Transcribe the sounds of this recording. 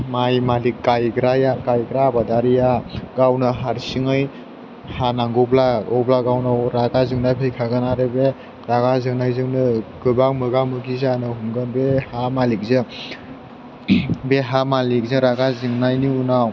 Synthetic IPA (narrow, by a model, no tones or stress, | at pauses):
majmalikːajɡɾajakajɡɾabadaɾijaɡawnɯɦaɾsiŋɯj | hanaŋɡɔblaɔblaɡawnawɾaɡazɯŋnajpʰejkʰaɡɯnaɾebe | ɾaɡazɯŋnajzɯŋnɯɡ̥ɯbaŋmɯɡamɯɡizanɯhumɡɯnbehamalik̚zɯ | beɦamalik̚zɯɾaɡazɯŋnajniunaw